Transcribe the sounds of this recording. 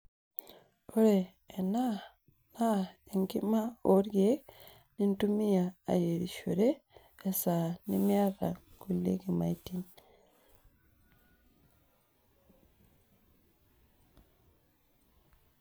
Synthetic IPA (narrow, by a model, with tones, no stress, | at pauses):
o˦ɾeː | na | na˦e˨ŋɡi˦ma˦o˦ɾje | nintumi˦ja˨a̰˨je˨ɾi˨ʃo˨ɾeː˦˨ | sa˨ni˦mja˦ða̰˨ku˨lḛ˦ki˨ma̰˨itin